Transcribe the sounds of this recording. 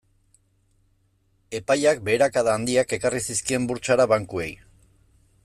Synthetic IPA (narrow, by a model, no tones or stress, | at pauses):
e̞pajak̚be̞ːɾakaðaːnd̪iake̞karisiskie̞mbuɾt͡ʃaɾaβaŋkue̞̰j